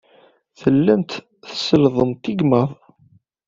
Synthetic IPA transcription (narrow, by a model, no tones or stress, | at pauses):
θəlːænt̪ | θəsəlðˤəmt̪iɡməðˤ